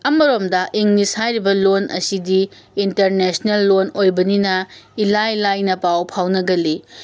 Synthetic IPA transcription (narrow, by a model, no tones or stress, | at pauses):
ɐmɐɾomdɐʔiŋnishajɾibɐlonɐ̰sidiː | ntɐɾnesnelːonojbɐninɐilajlajnɐpawpʰawnɐɡɐli